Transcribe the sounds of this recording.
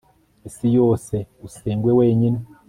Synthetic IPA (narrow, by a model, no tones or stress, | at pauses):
isijoːseuseːŋɡweweːɲine